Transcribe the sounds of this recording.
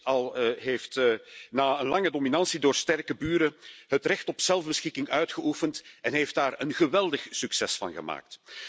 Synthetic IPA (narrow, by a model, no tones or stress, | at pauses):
ɑlˠɦeːftnaːənlɑŋədominɑnsidoːrstɛrkəbyːɾəɦətrɛxtɔpz̥ɛlˠvbəsxɪkɪŋœɥtxəʔufəntɛnɦeft̚daːrənɣəʋɛlˠdəxsyksɛsfɑ̰nɣə̰ma̰ːk̚t